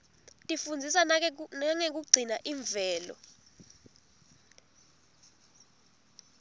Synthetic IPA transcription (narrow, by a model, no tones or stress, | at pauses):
tʼifund͡zʱisaaŋek̬uɡ͡ǀʱinaʔiɱvʱɛːlɔ̰